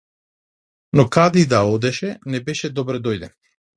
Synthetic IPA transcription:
nɔkad̪id̪aɔd̪ɛʃɛnɛbɛʃɛd̪ɔbɾɛd̪ɔjd̪ɛn

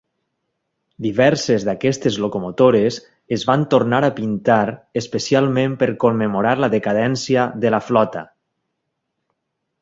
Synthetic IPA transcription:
d̪iβɛɾsezðakɛst̪ezlokomot̪oɾez | ezβant̪oɾnaɾapint̪aɾespesialˠmẽmpeɾkomːemoɾaɾlaðekaðɛnsjəðəlaflɔt̪a

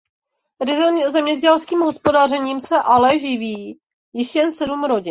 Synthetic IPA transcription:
ɪzɛmɲɛɟɛlskiːmɦo̞spo̞darɛɲiːmsɛʔalɛʒɪviː | jɪʃjɛnsɛdumɾo̞ɟɪ

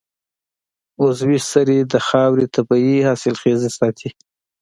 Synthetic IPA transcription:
ozwisaɾid̪əxɑwɾit̪ʰabɑihɑːsɪlxezesɑt̪ʰi

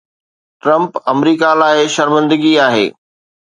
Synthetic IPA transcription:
ʈɾɐ̃mpɐmɾiːkalaːɪʃɐɾmə̃nd̪əɡiaːɦḛː

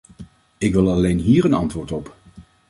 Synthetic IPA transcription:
ɪkʋɪlˠɑlejnɦiːɹənɑntʋʊːɹtɔp

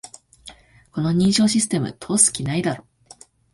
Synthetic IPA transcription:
ko̞no̞ɲ̟ĩːɕo̞ːɕisɨ̥t̪e̞mɯ̟t̪ʰo̞ːsɨ̥kʲinaid̪aɾo

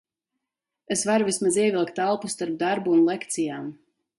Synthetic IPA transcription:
esvaɾuvismaziɛvilˠkt̪alˠpusst̪aɾp̚d̪aɾbuːnlˠekt̪sijaːm

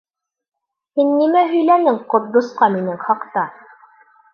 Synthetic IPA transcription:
hinːimæɦɵ̆jlænɘŋqŏɾd̪ŏsqɑminɘŋχɑqt̪ɑ

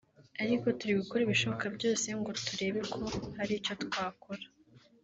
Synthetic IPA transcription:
aɾiko̞tuɾiɡukoɾiβiʃo̞βokabɟo̞ːse̞ŋɡo̞tuɾe̞ːβe̞kʰo̞haɾico̞twaːkoɾḁ

